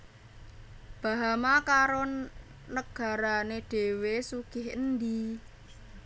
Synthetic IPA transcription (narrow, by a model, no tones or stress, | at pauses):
b̥a̤ɦamakaɾo | nəɡ̥a̤ɾaneɖ̥e̤wesuɡ̥ɪɦənd̪i